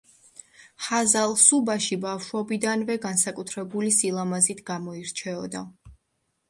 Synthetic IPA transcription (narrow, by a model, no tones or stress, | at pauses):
χazalˠsubaʃibafʃwɔbid̪anvɛɡansakʼut̪ʰɾɛbulisilˠamazit̪ʰɡamɔiɾt͡ʃʰɛɔd̪a